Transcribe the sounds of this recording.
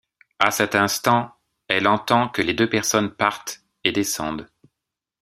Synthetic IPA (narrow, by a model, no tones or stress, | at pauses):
asɛt̪ɛ̃st̪ɑ̃ | ɛlɑ̃t̪ɑ̃kəled̪øpɛʁsɔnpaʁt̪ | ed̪esɑ̃d̪